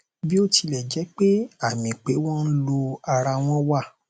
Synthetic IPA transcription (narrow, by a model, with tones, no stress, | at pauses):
bi˦o˦ti˧lɛ˦˨d͡ʒɛ˨˦k͡pe˦a˦˨mĩ˨k͡pe˨˦wɔ̃˦n̩˦lo˧a˧ɾa˧w̃ɔ̃˦wa˦˨